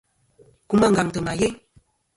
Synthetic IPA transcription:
ku˦ma˦ŋ̩ɡa˨ŋtə˨ma˨je˦

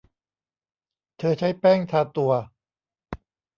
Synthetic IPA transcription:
t̪ʰɤː˧t͡ɕʰa˦˥jpɛː˥˩ŋt̪ʰaː˧t̪u˧ɐ

